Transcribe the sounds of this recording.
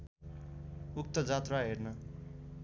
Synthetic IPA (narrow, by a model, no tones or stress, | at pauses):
uk̚t̪ʌd͡zat̪raɦernʌ